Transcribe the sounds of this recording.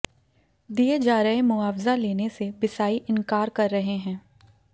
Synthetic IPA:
d̪ijed͡ʒaːɾəɦemʊaːfzaleːnesebɪsaːiʔɪ̃nkaːɾkɐɾːɐɦeɦɛ̃ː

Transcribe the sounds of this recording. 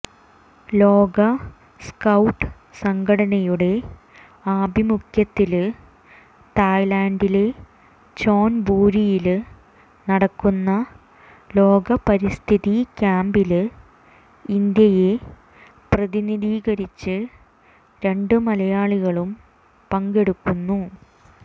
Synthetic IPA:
lo̞ːɡɐ | skɐwʈːɨ | sɐŋɡɐɽɐɳɐjuɽe̞ | aːbʱimukʰjɐt̪ːil | t̪aːjlaːɳɖil | t͡ɕo̞ːnbuːɾijil | nɐɽɐkːunːɐ | lo̞ːɡɐpɐɾist̪ʰiðikʲaːmbilɨ | ind̪jɐje | prɐðiniðiːɣɐɾit͡ɕːɨ | ɾe̞ɳɖɨmɐlɐjaːɭiɣɐɭum | pɐŋɡe̞ɽukːunːu

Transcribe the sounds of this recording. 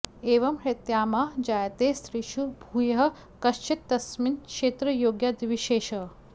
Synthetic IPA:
eːʋɐmɾɪt̪jaːmaːd͡ʒaːjɐt̪eːsɾiʃubʱuːjɐɦɐ̆ | kɐʃt͡ʃit̪ːɐsminkʃeːt̪ɾɐjoːɡjad̪ʋiʃeːʃɐ

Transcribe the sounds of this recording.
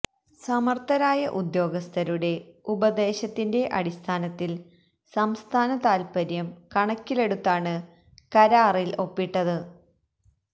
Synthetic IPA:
sɐmɐrt̪ɐɾaːjɐʔud̪jo̞ːɡɐst̪ʰɐɾuɽe̞ubɐd̪e̞ːɕɐt̪ːinde̞ʔɐɽist̪ʰaːnɐt̪ːil | sɐmst̪ʰaːnɐt̪aːlpɐɾjɐmkɐɳɐkːile̞ɽut̪ːaːɳɨ | kɐɾaːrilo̞pːiʈːɐðɨ

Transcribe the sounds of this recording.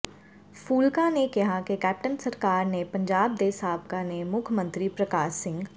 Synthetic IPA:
fuːlkanekɐɦakekɛːp̚ʈənsɐɾkaːɾnepɐ̃ɲd͡ʒaːb̚d̪eːsaːb̚kanemʊkʰmə̃nt̪ɾipɾɐkaːʃːɪ̃ŋɡ

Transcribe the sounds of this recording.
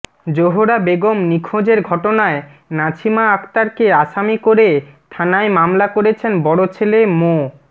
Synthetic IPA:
d͡ʑoɦoɾabeɡomnikʰod͡ʑeɾɡʱɔʈonae | nat͡ɕʰimaakt̪aɾkeaʃamikoɾet̪ʰanaemamlakoɾet͡ɕʰenbɔɽot͡ɕʰelemo

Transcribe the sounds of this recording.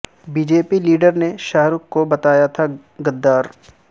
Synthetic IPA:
bid͡ʒeːpiliːɖəɾneʃaɦɾʊkkːobɐt̪aːjat̪ʰa | ɡɐd̪ːaːɾ

